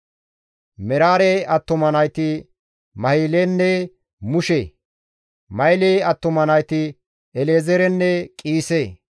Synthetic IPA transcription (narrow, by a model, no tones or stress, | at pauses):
mɛɾaːɾeɐt̪ːɔmɐnɐjt̪ɪ | mɐhiːlenːɛ | mʊʃe | mɐjleːɐt̪ːɔmɐnɐjt̪ɪ | ɛleːzɛɾɛnːɛkʼiːseː